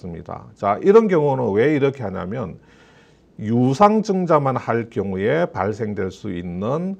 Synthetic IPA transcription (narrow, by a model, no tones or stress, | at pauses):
s͈ɯmɲḭda̰t͡ɕaʔiɾʌnkjʌŋunɯnwe̞iɾʌkʰe̞ɦaɲa̰mjʌn | jusʰaŋd͡ʑɯŋd͡ʑamanhaɭkjʌŋue̞pa̰ɭsʰe̞ŋdwe̞ɭs͈uinːɯn